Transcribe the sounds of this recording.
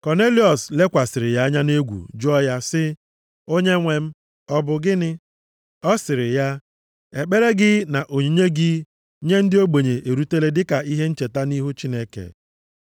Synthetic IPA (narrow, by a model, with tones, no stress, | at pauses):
kɔ˨ne˦li˦ɔ˨sle˦kʷa˨sɪ˨ɾɪ˨ja˦a˦ɲa˦ne˦ɡʷṵ˨d͡ʒɔ˦ja˦sɪ˦ | o˦ɲe˦ŋʷe˨m̩˦ | ɔ˦bʊ˨ɡɪ˦nɪ˦ | ɔ˦sɪ˨ɾɪ˨ja˦ | e˨k͡pe˦ɾe˦ɡɪ˦na˨ʔo˨ɲi˨ɲe˦ɡɪ˦ | ɲe˦n̩˦dɪ˦o˦ɡ͡be˨ɲe˨ʔe˨ɾu˦te˦le˦dɪ˦ka˨i˦ɦe˦n̩˦t͡ʃe˨ta˦ni˦ɦu˦t͡ʃi˦ne˦kḛ˨